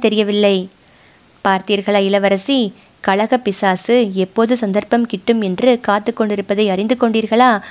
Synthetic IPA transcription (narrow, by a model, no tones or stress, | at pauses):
t̪ɛɾɪjɐʋɪlːɐɪ | paːɾt̪ijɐɾɣɐɭaːɪlɐʋɐɾɐsi | kɐɭɐɣɐpɪsaːsɯɛpːoːðɯsɐnd̪ɐɾpɐmkɪʈːɯmɛndrɯkaːt̪ːɯkːɔɳɖɪɾɯpːɐðɐɪɐɾɪnd̪ɯkːɔɳɖiːɾɣɐɭaː